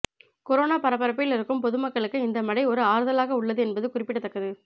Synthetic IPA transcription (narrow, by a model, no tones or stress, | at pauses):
kɔɾoːnaːpɐɾɐpːɐɾɐpːɪjɪlɪɾɯkːɯmpɔðɯmɐkːɐɭɯkːɯɪnd̪ɐmɐɽɐɪɔɾɯaːɾɯðɐlaːɣɐʊɭːɐðɯɛnbɐðɯkʊrɪpːɪʈːɐt̪ːɐkːɐðɯ